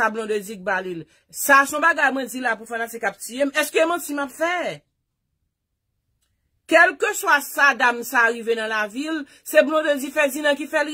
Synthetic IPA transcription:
ablɔ̃d̪øzik̚balil | sasɔ̃baɡajmwɛ̃d͡zilapufãnasekap̚t͡ʃiemɛskøemãt͡simapfɛ | kɛlkøswasad̪amsaɣivenɐ̃lavil | seblɔ̃d̪øzifɛzinãkifɛl

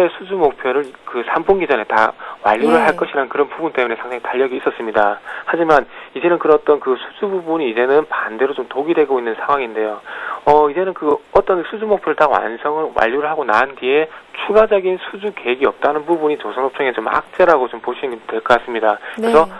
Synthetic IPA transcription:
esʰud͡ʑumok̚pʰjʌɾɯɭkɯsʰamboŋɡid͡ʑʌne̞ta̰wa̰ʎːuɾɯɭɦaɭk͈ʌɕʰiɾanɯnkɯɾʌnpubunt͈e̞mune̞sʰaŋdaŋitaʎːʌɡiːs͈ʌs͈ɯmɲidahad͡ʑimanid͡ʑe̞nɯnkɯɾʌt͈ʌnkɯsʰu̥d͡ʑububuɲiːd͡ʑe̞nɯnpande̞ɾot͡ɕomtoɡidwe̞ɡoinːɯnsʰaŋɦwaŋinde̞joʌid͡ʑe̞nɯnkɯʌt͈ʌnsʰud͡ʑumok̚pʰjʌɾɯɭtawa̰nsʰʌŋɯɭwa̰ʎːuɾɯɭɦaɡona̰ɯndie̞t͡ɕʰuɡad͡ʑʌɡinsʰud͡ʑuke̞eɡiʌp̚t͈anɯnpubuɲit͡ɕosʰʌnɦop̚t͡ɕʰʌŋe̞t͡ɕoma̰k̚t͡ɕ͈eɾaɡot͡ɕompoɕʰinitwe̞ɭk͈ʌk͈as͈ɯmɲidakɯɾɾesʰʌ

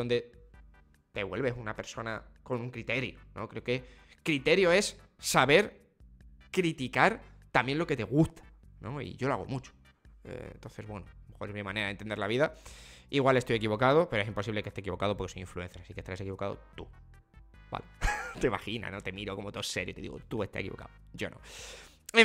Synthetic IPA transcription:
d̪ond̪e̞ | t̪e̞βwe̞̰lβe̞sunape̞ɾso̞nako̞nuŋkɾit̪e̞ɾjonʔo̞̰kɾe̞oke̞ | kɾit̪e̞ɾjo̞e̞sː | aβe̞ɾ | kɾit̪ikaɾ | t̪amje̞nlo̞ke̞t̪e̞ɣ̞ust̪ḁno̞̰ḭʝo̞loa̰o̞̰mut͡ʃo̥ | ḛnt̪o̞nθe̞zβwe̞nome̞xoɾemimãne̞ɾaðe̞nt̪end̪eɾlaβiðaiɣwale̞st̪oje̞kiβo̞kaðo̞pe̞ɾoesimposiβleke̞st̪ekiβo̞kaðopoke̞sojiɱflue̞n̟θjeɾasike̞st̪aɾasekiβo̞kaðo̰t̪u | ba̰let̪eimaxina̰no̞t̪e̞miɾo̞ko̞mot̪ose̞ɾjot̪e̞ðḭɣot̪ue̞st̪a̰ekiβo̞ka̰ðoɟ͡ʝo̞̰no̞̰ | e

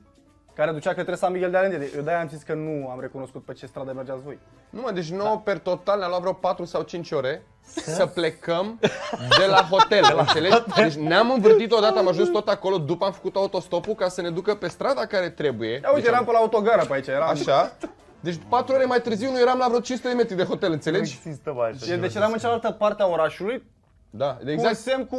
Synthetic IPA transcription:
kaɾed̪ut͡ʃakət̪ɾesanmiɡʲeld̪ealend̪ed̪ejed̪ajamzit̪sʲkənuamɾe̞kuno̞skut̪̚pet͡ʃe̞st̪ɾad̪əmerd͡ʒat̪svo̞j | numad̪e̞t͡ʃʲnope̞rt̪o̞t̪alnamlat̪vɾapat̪ɾusawt͡ʃint͡ʃo̞ɾe̞ | səple̞kəmd̪e̞laɦo̞t̪e̞lɨnseled̪et͡ʃʲneamɨɱvɨrt̪it̪o̞d̪at̪əamaʒunst̪ot̪ako̞lo̞d̪upəamfə̥kut̪oaut̪o̞st̪o̞pukasəne̞d̪ukəpe̞st̪ɾad̪akaɾe̞t̪ɾe̞buje̞auit̪ejeɾampəlaut̪o̞ɡaɾəpait͡ʃajeɾaaʃa | d̪e̞t͡ʃʲpat̪ɾuoɾe̞majt̪ɨɾziwnuje̞ɾamlavɾoot͡ʃinsut̪eeme̞t̪ɾid̪e̞ɦo̞t̪elɨnt̪sele̞d͡ʒʲist̪aed̪et͡ʃed̪amɨnt͡ʃalalt̪əpart̪eao̞ɾaʃuluj | d̪aeɡasemku

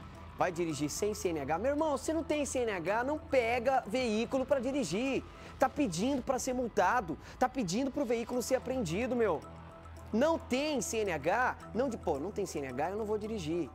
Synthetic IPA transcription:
vajd͡ʒiɾiʒisẽj̃seẽnɪaɡameweɾmɐ̃w̃senɐ̃w̃t̪ẽj̃seẽnɪaɡanɐ̃w̃pɛɡɐveikulʊpɾɐd͡ʒiɾiʒi | t̪apid͡ʒĩnd̪ʊpɾɐseɾmuwt̪ad̪ʊ | t̪apid͡ʒĩnd̪ʊpɾʊveikulʊseɾapɾẽnd͡ʒid̪ʊmew | nɐ̃w̃t̪ẽj̃seẽnɪaɡanɐ̃w̃d͡ʒɪponɐ̃w̃t̪ẽj̃seẽnɪa̰ɡaewnɐ̃w̃vod͡ʒiɾiʒi

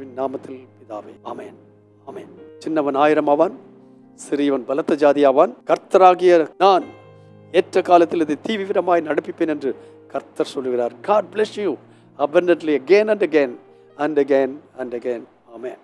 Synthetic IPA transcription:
ʋɪnːaːmɐt̪ːɪlpɪðaːʋɐaːmḛːn | aːmeːnt͡ʃɪnːɐʋɐnaːjɪɾɐmaːʋaːn | sɪɾɪjɐʋɐnbɐlɐt̪ːɐd͡ʒaːðɪjaːʋaːnkɐɾt̪ːɐɾaːɣɪjɐnaːn | ɛːʈrɐkaːlɐt̪ːɪlɐðet̪iːʋiʋɪɾɐmaːjnɐɽɐpːɪpːeːnɛndrɯ | kɐɾt̪ːɐɾsɔlːɯɣɪraːɾɡaːɖ̚blɛsju | ɐbɐndɐʈliɐɡeːnɐnɖɐɡeːn | ɐnɖɐɡeːnɐnɖɐɡeːn | aːmeːn

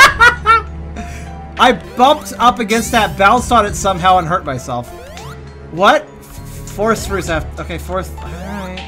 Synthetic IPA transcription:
ʔaɪb̥ʌ̃mp̚tʌpɨɡɛ̃nst̪̚ðɨt̚b̥ãʊ̃nsɑɾɨtsʌ̃mɦaʊə̃nɦɜ˞t̚maɪsɛlˠf | wʌt̚ | fɔɹsfɹʉzɨoʊkʰeɪfɔɹs

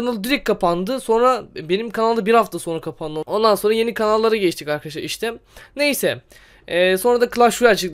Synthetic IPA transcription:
analˠɯd̪iɾikʰːapand̪ɯso̞nɾabe̞nimkʰanalˠd̪abiɾhaft̪ʰaso̞nɾakʰapʰand̪ɯo̞nd̪anso̞nɾaje̞nikʰanalˠːaɾaɟeiʃt̪ʰikaɾkʰad̪aʃˠa̰ɾiʃt̪ʰɛne̞jsɛ | so̞nɾad̪akʰɯlˠaʃuɾat͡ʃʰɯk̪

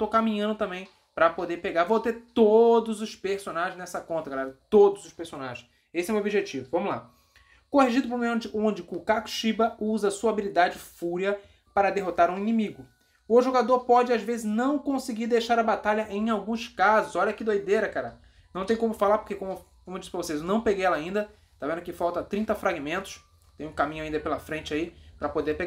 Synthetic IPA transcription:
t̪okamĩɲɐ̃nd̪ʊt̪ɐ̃mbẽj̃ | pɾɐpod̪eɾpeɡaɾvowt̪eɾt̪od̪ʊzʊʃpeɾsõnaʒẽznɛsɐkõnt̪ɐɡalɛɾɐt̪od̪ʊzʊʃpeɾsona̰ʒẽ | esɪɛwmeobiʒet͡ʃivʊvɐ̃mʊla̰ | kohiʒid̪ʊpɾõmeõd͡ʒɪʔõd͡ʒɪkʊ̃kaku̥ʃibɐuzɐsuɐabilid̪ad͡ʒɪfuɾiɐ | paɾɐd̪eɦot̪aɾũinĩmiɡʊ | ʊʒoɡad̪oɾpɔd͡ʒɪazvezɪznɐ̃w̃kõsɪɡiɾd̪ejʃaɾɐbat̪aʎɐʔẽj̃awɡũskazʊzɔʎɐkid̪ojd̪eɾɐkaɾa | nɐ̃w̃t̪ẽj̃kõmʊfalaɾpo̥hkekõmʊ | kõmed͡ʒisɪ̥pɾɐvosezewnɐ̃w̃peɡejɛlɐaĩnd̪ɐ | ʃt̪avẽnd̪ʊkɪfawt̪ɐt̪ɾĩnt̪ɐfɾaɡimẽnt̪ʊ̥s | t̪ẽj̃ũkamĩɲʊaĩnd̪pelɐfɾẽnt͡ʃɪaipɾɐpod̪eɾpeɡ

